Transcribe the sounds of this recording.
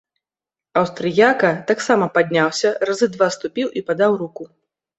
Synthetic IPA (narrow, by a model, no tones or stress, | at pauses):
ɐwst̪ɾɨjakɐt̪aksamɐpad̪ʲnʲawsʲɐrazɨd̪vast̪upʲiwʔipad̪awɾuku